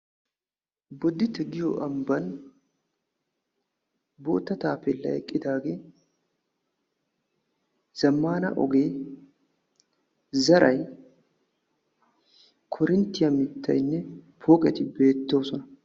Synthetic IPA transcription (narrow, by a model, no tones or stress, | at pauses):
bɔd̪ːɪt̪ɛɡɪjɔ̰ʔɐmbɐn | bo̰ːt̪ːɐt̪aːpɛlːɐ̰ɛ̰kʼːɪd̪aːɡeː | z̥ɐmːaːnɐ̰ʔɔ̰ɡe̞ː | zɐɾʔɐj | kʰɔɾɪnt̪ːɪjɐmɪt̪ʰːɐ̰jnːɛpʰoːkʼɛt̪ɪbe̞ːt̪ːo̞ːsɔnɐ